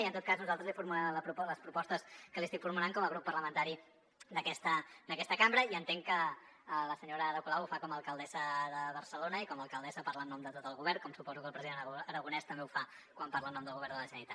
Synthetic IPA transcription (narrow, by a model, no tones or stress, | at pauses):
iənt̪ot̪̚kaznuzalˠt̪ɾəzlifuɾmulɛmləpɾuləspɾupɔst̪əskəlist̪ikfuɾmulaŋkɔməɣɾupːərləmənt̪aɾi | d̪əkɛst̪əd̪əkɛst̪əkambɾəiənt̪eŋkə | ləsəɲoɾəðəkulawufakɔməlˠkəlˠd̪ɛzəðəβəɾsəlonəikɔməlˠkəlˠd̪ɛzəpaɾlənːɔmd̪ət̪ot̪əlˠɣuβɛɾkɔmsupɔzukəlˠpɾəziðenəɾəɣunɛst̪əmbeufa | kwampaɾlənːɔmd̪əlˠɣuβɛɾdəlˠəʒənit̪a